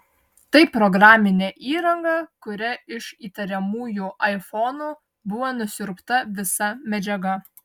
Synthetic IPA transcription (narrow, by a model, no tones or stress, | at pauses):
t̪ɐɪpɾɔɡɾɑːmʲɪnʲeʔiːɾɐŋɡɑkʊɾʲɛɪʃiːt̪ɐɾʲɛmuːjuːʔɐɪfɔnuː | bʊʋoːnʊsʲʊɾpt̪ɐʋʲɪsɐmʲɛd͡ʒʲɛɡɐ